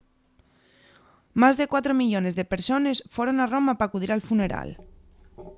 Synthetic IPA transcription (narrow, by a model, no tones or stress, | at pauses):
mazðekwat̪ɾomiʎonezðepeɾsonesfoɾonaromapakuð̞iɾalfuneɾa̰l